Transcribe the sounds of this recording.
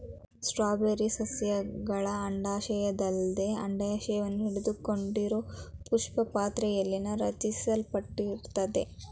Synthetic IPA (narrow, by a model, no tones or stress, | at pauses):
sʈɾaːbeɾisɐsjɐɡɐɭɐːɳɖaːʃɐjɐd̪ɐld̪eɐ̰ɳɖɐjɐʃɐjɐʋɐnːuɦiɽed̪ukoɳɖiɾoːpuʂpɐpaːt̪ɾɐjɐlːinɐɾɐt͡ʃisɐlpɐʈːiɾt̪ɐd̪e̞̰